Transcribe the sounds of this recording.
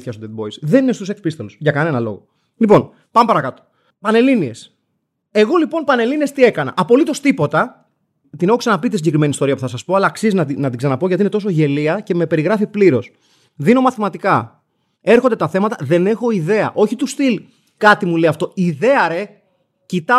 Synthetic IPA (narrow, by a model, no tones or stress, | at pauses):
θçɐsod̪et̪̚bo̞isðe̞ninest̪use̞kspist̪elusʝɐkɐne̞nɐlo̞̰ɣo̞̰ | lipo̞n | pɐmepɐɾɐkɐt̪o̥ | pɐne̞linie̞s | e̞ɣo̞lipo̞npɐne̞liniest̪ie̞kɐnɐ̰ʔɐpo̞lit̪o̞st̪ipo̞t̪ɐ | t̪ine̞xoksɐnɐpit̪isiɲɟe̞kɾime̞nist̪o̞ɾiɐpuθɐsɐspoɐlɐksizinɐinɐt̪iɡsɐnɐpo̞ʝɐt̪ine̞t̪o̞so̞ʝe̞liɐce̞me̞pe̞ɾiɣɾɐfipliɾo̞s | ðino̞mɐθimɐt̪ikɐ | e̞ɾxod̪e̞t̪ɐθe̞mɐt̪ɐðe̞ne̞xo̞iðe̞ɐ̰ʔo̞çit̪usθil | kɐt̪imuleɐft̪o̞iðe̞ɐɾe̞ | cit̪ɐ